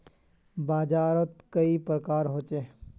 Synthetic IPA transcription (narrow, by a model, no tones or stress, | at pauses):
baːd͡ʒaːɾət̪kəipɾəkaːɾɦoːt͡ʃeː